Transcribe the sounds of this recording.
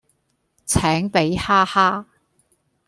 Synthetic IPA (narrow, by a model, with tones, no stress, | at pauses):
t͡sʰɛː˨˥ŋpe˨˥jhaː˥haː˥